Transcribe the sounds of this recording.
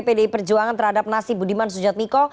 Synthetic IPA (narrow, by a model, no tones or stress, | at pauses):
pedeipərd͡ʒuaŋant̪ərhadap̚nasibudimans̬ud͡ʒat̪̚nikɔ